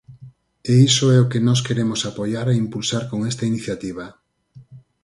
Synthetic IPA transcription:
eisoɛokenɔs̬keɾemʊsapojaɾeimpulsaɾkoŋest̪ɐiniθjat̪iβ̞ɐ

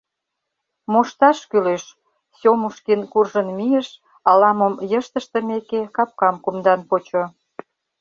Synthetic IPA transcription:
moʃt̪ɑʃkyleʃ | sʲomuʃkinkurʒənmijəʃ | ɑlɑməmjəʃt̪əʃt̪ə̆mekekɑp̚kɑmkumd̪ɑnpot͡ɕo

